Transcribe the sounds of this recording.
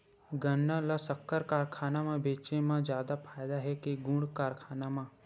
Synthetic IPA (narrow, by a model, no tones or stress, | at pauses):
ɡənːalasəkːəɾkaːɾkʰaːnamãbeːt͡ʃemãd͡ʒjaːd̪apʰaːjd̪aɦɛkeɡũɽɖkaːɾkʰaːnamã